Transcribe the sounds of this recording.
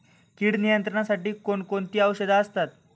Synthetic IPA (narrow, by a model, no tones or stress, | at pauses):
kiːɽnijənt̪ɾəɳasaʈiːkoɳkoɳt̪iːəʋɕəd̪aəst̪at̪